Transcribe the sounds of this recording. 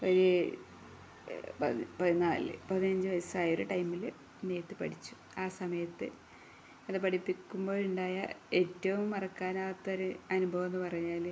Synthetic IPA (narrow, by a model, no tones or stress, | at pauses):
oɾe | pɐðpɐðinaːlɨ̰pɐðinɐɲd͡ʑɨʋɐjɐsaːjoɾuʈɐjmːil | neːɐt̪ːɨpɐɽit͡ɕːu̥ | aːsɐmɐjɐt̪ːɨ | ɐðɨpɐɽipːikʲːumbo̞ːɭuɳɖaːjɐ̰e̞ːtːɐʋumɐrɐkːaːnaːt̪ːɐɾuɐnubʱɐʋɐnːɨpɐrɐɲːaːl